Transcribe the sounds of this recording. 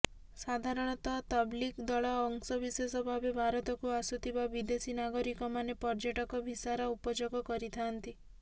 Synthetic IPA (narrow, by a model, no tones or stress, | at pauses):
sad̪ʱaɾɔɽ̃ɔt̪ɔt̪ɔblikd̪ɔɭɔːŋsɔbisesɔbʱabebʱaɾɔt̪ɔkuasut̪ʰibabid̪esinaɡɔɾikɔmanepɔɾd͡ʒaʈɔkɔbʱisaɾaupɔd͡ʒoɡɔkɔɾit̪ʰant̪i